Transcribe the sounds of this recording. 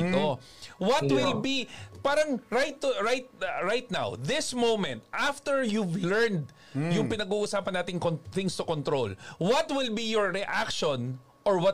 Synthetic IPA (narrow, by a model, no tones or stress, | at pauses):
t̪o | wɐt̪wɪlbipaːɾɐŋɹajt̪ːʊɹajt̪̚ɹajt̪̚na̰wðɪsmowmɛ̃nt̪ʔaft̪ɛɹjuvlɛɹnd̪ | jʊŋpɪnɐɡuːʔʊsaːpɐnːaːt̪ɪŋkonθɪŋst̪ʊkɔnt̪ɾolwɐt̪wɪlbijɔɹɹɛʔakʃɔn | ʔɔɹwɐ